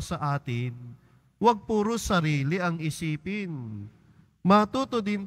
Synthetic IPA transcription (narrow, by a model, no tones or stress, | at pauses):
sɐʔaːt̪ɪn | wɐɡ̚puːɾʊsɐɾiːlɪɐŋɪsiːpɪn | mɐt̪uːt̪od̪ɪn